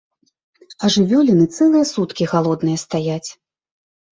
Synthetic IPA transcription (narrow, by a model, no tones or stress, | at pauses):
ɐʐɨvʲɔlʲinɨt̪sɛlˠɨjɐsut̪kʲixalˠɔd̪nɨjɐst̪ajat͡sʲ